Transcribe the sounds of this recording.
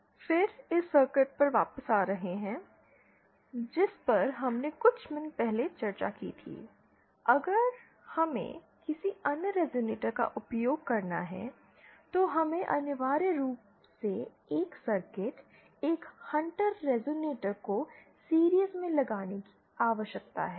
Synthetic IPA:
fɪɾɪsːəɾkɪʈ̚pɐɾʋaːpəsaːɾɐɦeɦɛ̃ː | d͡ʒɪspɐɾɦɐmnekʊt͡ʃʰmɪnpɛɦlet͡ʃɐɾt͡ʃa̰kḭːt̪ʰḭː | ɐɡəɾ | hɐmḛ̃ | kɪsiɐnɾɛːzoːneːʈəɾka̰ʔʊpjoːɡ̚kɐɾna̰ɦɛ̰ | t̪oɦɐmẽʔɐ̰nəʋaːɾəɾuːp | se | eːksɐɾkɪʈ | eːkhɐ̃ɳʈəɾːɛːzoːneːʈəɾko | siːɾijəsmẽlɐɡaːneki̥ | aːʋəʃjək̚t̪a̰ɦɛː

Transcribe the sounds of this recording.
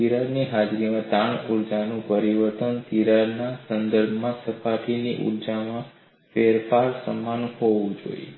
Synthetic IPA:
iɾaɾniɦad͡ʒɾimãt̪aɳuɾd͡ʒanũpəɾiʋəɾt̪ənt̪iɾaɾnasənd̪əɾbʱmãsəpaʈiniʔṵɾd͡ʒamã | feɾfʰaɾsə̰mːanhɔʋũd͡ʒo̰ḭ

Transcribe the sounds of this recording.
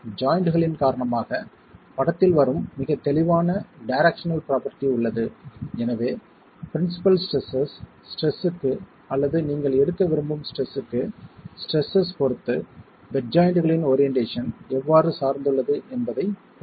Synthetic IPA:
d͡ʒaːjɪɳɖɯɣɐɭɪnkaːɾɐɳɐmaːɣɐ | pɐɽɐt̪ːɪlʋɐɾɯmːɪɣɐt̪ːɛlɪʋaːnɐɖɐɪɾɛkʂɐnɐlpɾaːpɐɾʈiʊɭːɐðɯɛnɐʋeː | pɪɾɪnsɪ̥pɐlsʈɾɛsɐsː | ʈɾɛsɯkːɯ | ɐlːɐðɯniːŋɡɐɭɛɽɯkːɐʋɪɾɯmbɯmsʈɾɛsɯkːɯsʈɾɛsːɐspɔɾɯt̪ːɯ | bɛʈ̚d͡ʒaːjɪɳɖɯɣɐɭɪnoːɾɪjɛɳʈeːʂɐnɛʋːaːɾɯsaːɾnd̪ɯɭːɐðɯʔɛnbɐðɐɪ

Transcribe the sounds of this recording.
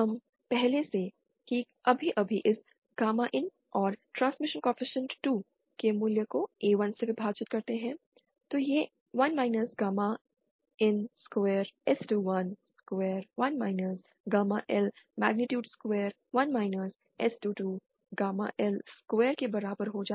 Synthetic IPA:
ɐm | pɛɦlese | ki | ɐbʱiʔɐbʱiʔɪs | ɡ̥aːmaʔɪn | ɔːɾʈɾãːnsmɪʃə̃nkɔ̃fɪʃə̃nʈuː | kemuljəkoeːʋɐnsebʱibʱaːt͡ʃɪt̪̚kɐɾt̪eɦɛ̃ | t̪oje | ʋɐnmaːɪnəsɡaːma | ɪnskʋeːɾɛsʈuːʋɐnskweːɾʋɐnmaːɪnəs | ɡaːmaʔɛlmɛ̰ːɡ̚nɪʈjuːɖskʋɛːɾ | ʋɐnmaːɪnəs | ɛsʈuːʈuː | ɡaːma̰ʔɛlsskʋeːɾkebɐɾaːbəɾɦod͡ʒaː

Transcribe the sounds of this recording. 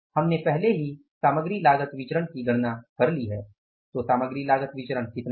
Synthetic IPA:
hɐmnepɛɦleɦi | saːməɡɾilaːɡət̪ʋɪt͡ʃɾənkiɡʱɐɽnakɐɾliɦɛː | t̪oːsaːməɡɾilaːɡət̪ʋɪt͡ʃɾənkɪt̪n

